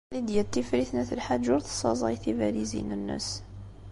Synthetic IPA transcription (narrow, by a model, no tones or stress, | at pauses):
lid̪jæt̪ːifɾiθnæθəlħad͡ʒʊɾθsˤɑ̰zˤɑjθivælizḭnənːə̰s